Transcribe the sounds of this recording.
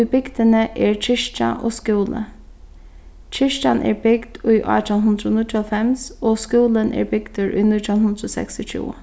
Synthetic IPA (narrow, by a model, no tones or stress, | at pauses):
bɪɡd̪ənəʔɛːɹt͡ʃʰɪʂt͡ʃa̰ʔo̰ːskuːlə̰ | t͡ʃʰɪʂt͡ʃanʔɛ̰ːɹbɪɡd̪ʊjʔɑ̰ːt̪ɔnɦʊnd̪ɾonʊt̪ɪɔfɛmsoːskuːlənʔɛ̰ːɹbɪɡ̥d̪əɹʊ̰jnɪt̪ʊnhʊnd̪ɾoːsɛ̰kst̪ɪt͡ʃʰṵː